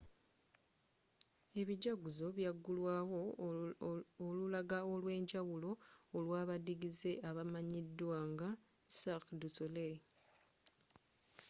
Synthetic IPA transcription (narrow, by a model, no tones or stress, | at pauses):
e̞βiɟaɡuzo̞βjaɡːulwaːwo̞ | olulaɡaolwe̞ːɲɟawulo̞ːlwaːβadiɡize̞ʔaβamaɲidːwaŋɡa | sakdusole